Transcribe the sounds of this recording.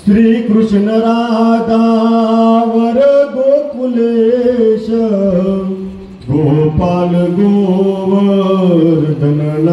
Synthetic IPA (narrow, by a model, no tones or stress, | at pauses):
sɾiːkɾʊʃnɐɾaːd̪aː | ʋɐɾɡoːkuleʃɐ | ɡoːɦpaːlɡ̪oːɦʋɐ | ɾd̪ʱɐnɐla